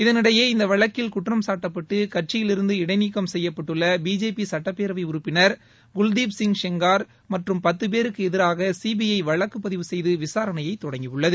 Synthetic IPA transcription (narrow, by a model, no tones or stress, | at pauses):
ɪðɐnɪɽɐjeːɪnd̪ɐʋɐɭɐkːɪlkʊʈːrɐmsaːʈːɐpːɐʈːɯkɐʈ̚t͡ʃɪjɪlɪɾɯnd̪ɯɪɽɐɪnikːɐmsɛjːɐpːɐʈːɯɭːɐbiːd͡ʒeːpisɐʈːɐpːeːɾɐʋɐɪʊɾɯpːɪnɐɾ | ɡʊld̪iːbsɪŋʂɛŋɡaːɾ | mɐʈrɯmpɐt̪ːɯp̬eːɾɯkːɯɛðɪɾaːɣɐsiːbɪɐɪʋɐɭɐkːɯpːɐðɪʋɯsɛjðɯʋɪsaːɾɐnɐjɐɪt̪ːɔɽɐŋɡijɯɭːɐðɯ